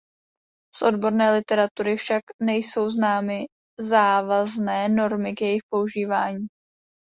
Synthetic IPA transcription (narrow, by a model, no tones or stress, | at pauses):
sʔo̞dbo̞ɾnɛːlɪt̪ɛɾat̪uɾɪfʃaknɛjso̞wznaːmɪ | zaːvaznɛːno̞ɾmɪkjɛjɪxpo̞uʒiːvaːɲiː